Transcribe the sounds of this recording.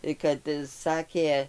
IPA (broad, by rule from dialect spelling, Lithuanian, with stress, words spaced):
tɐɪ kɐt ˈsɑːkʲeː